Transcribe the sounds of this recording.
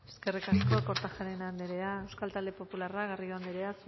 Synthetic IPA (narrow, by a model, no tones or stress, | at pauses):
eskerekanikoko̞ɾt̪axaɾenand̪eɾeaewskalt̪ald̪epo̞pularaɣarioand̪eɾe̞as